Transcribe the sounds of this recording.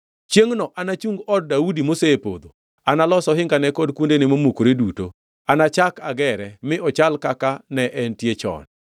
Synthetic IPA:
t͡ʃjeŋnɔʔanat͡ʃuŋɡɔd̚ːaudimoseːpo̰d̪o | analɔsɔɦɪŋɡanɛkɔdkundenɪmomukɾeduto̰ | anat͡ʃakaɡɛɾɛmɪʔɔt͡ʃalkakanɛʔɛntjet͡ʃɔ̰n

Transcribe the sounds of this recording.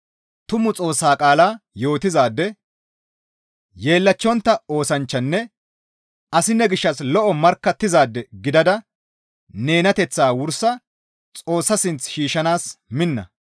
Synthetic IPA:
t̪ʊmʊt͡sʼo̞ːsːaːkʼaːlaːjo̞ːt̪ɪzaːd̪ːɛ | je̞ːlːɐt͡ʃːɔnt̪ːɐo̞ːsɐnt͡ʃːɐnːɛ | ɐsɪnːɛɡɪʃːɐslɔʔɔmɐɾkːɐt̪ːɪzaːd̪ːɛɡɪd̪ɐd̪ɐ | ne̞ːnɐt̪ɛt͡sːaːwʊɾsɐ | t͡sʼo̞ːsːɐsɪnt͡sʃiːʃɐnaːsmɪnːɐ̰

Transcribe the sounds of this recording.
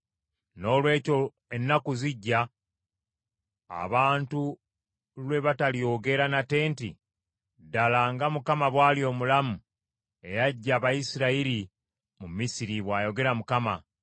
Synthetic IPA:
no̞ːlwe̞ːco̞ | enːakuziɟːa | a̰βaːntu | lwe̞βatalijo̞ɡe̞ɾanate̞ːntḭ | dalaːŋɡamukamaβwaːlio̞ːmulamu | e̞jaɟːaːβajisiɾaiɾi | mumisiɾiβwaːjo̞ɡe̞ɾamukama

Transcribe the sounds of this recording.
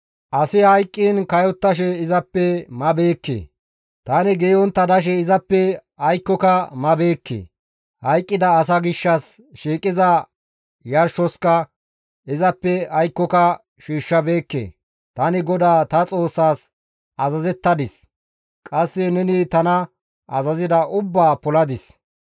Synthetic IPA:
ʔɐsɪhɐjkʼːiːnkɐjɔt̪ːɐʃ̬ɛɪzɐpːɛmɐbe̞ːkːḛ | t̪ɐnɪɡeːɔnt̪ːɐd̪ɐʃ̬ɛɪzɐpːɛ | ɐjkːɔkɐmɐbe̞ːkːḛː | hɐjkʼːɪd̪ɐːs̬ɐɡɪʃːɐs | ʃiːkʼːɪzɐ | jɐɾʃɔskɐ | ɪzɐpːɛɐjkːɔkɐ | ʃiːʃːɐbe̞ːkːḛː | t̪ɐnɪɡɔd̪aːt̪ɐt͡sʼo̞ːsːaːs | ɐzɐzɛt̪ːɐd̪ɪs | kʼɐsːɛnɛnɪt̪ɐnɐ | ʔɐzɐzɪd̪ɐʔʊbːaːpɔlɐd̪ɪs

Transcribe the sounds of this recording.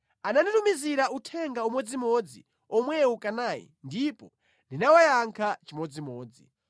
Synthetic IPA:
ananitumiziɾautʰɛŋɡaumwɛd͡zimɔd͡zi | ɔmwɛukʼanaːjḭndipɔ | ndinawajaŋkʰat͡ʃimɔd͡zimɔːd͡zi

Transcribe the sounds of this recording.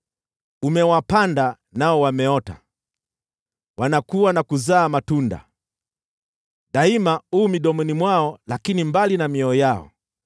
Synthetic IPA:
umɛwapanda | naɔwamɛɔta̰ | wanakuwanakuzaːmatunda̰ | ɗaimauːmiɗɔmɛnimwaɔlakinimbalinamiɔɔjaɔ̰

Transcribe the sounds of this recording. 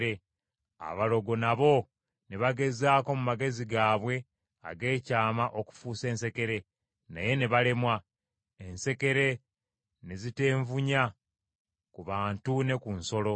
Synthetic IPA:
e | a̰βalo̞ɡo̞naβo̞ | neβaɡe̞zaːko̞mumaɡe̞ziɡaːβwe̞ | a̰ɡe̞ːcaːmaʔo̞ku̥fuːse̞ːnse̞ke̞ɾe̞ | na̰je̞ne̞βale̞mwa | e̞nse̞ke̞ɾe̞ | nezite̞ːɱvuɲa | kuβaːntune̞kunso̞lo̞

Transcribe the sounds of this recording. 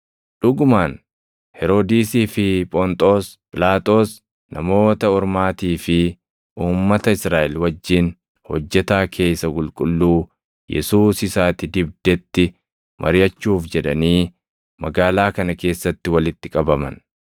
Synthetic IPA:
ᶑʊɡʊmaːn | hɛɾo̞ːd̪iːsiːfɪpʼɔnt̪ʼo̞ːs | pʼɪlaːt̪ʼo̞ːs | nɐmo̞ːt̪ɐɔɾmaːt̪iːfɪ | ʔuːmːɐt̪ɐɪsɾaːʔɛlwɐd͡ʒːɪn | hɔ̰d͡ʒːɛt̪aːkʰe̞ːsːɐkʼʊlkʼʊlːuː | jɛ̰suːsɪsaːt̪ɪd̪ɪb̚d̪̥ɛt̪ːɪ | mʔɐ̰ɾɪjɐt͡ʃːuːfd͡ʒɛᶑɐ̰niː | mɐɡaːlaːkɐnɐke̞ːsːɐt̪ːɪwɐlɪt̪ːɪkʼɐbɐmɐ̰n

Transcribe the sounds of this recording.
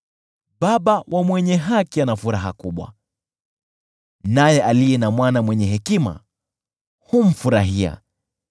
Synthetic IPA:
ɓaɓawʔamwɛɲɛɦakianafuɾaɦakuɓwa̰ | najɛʔalijɛnamwanamwɛɲɛɦɛkima̰ | hum̩fuɾaɦia̰

